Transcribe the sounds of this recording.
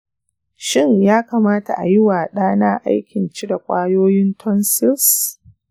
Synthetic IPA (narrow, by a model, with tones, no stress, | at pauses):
ʃɪ˦ɲjaː˦kaː˨maː˦ta̰˨ʔa̰˨jɪ˦waː˨ɗaː˦naː˦ʔa̰˦jkʲɪ˨nt͡ʃi˦da˨kʷʼaː˦joː˦jɪ˦ntʰɔ˦nsɪ˦ls